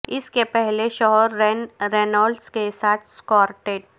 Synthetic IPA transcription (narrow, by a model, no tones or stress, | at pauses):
ɪskepɛɦleʃɔɦɔɾɛnɾeːnəlɖskesaːt̪ʰskɔːɾʈeːʈ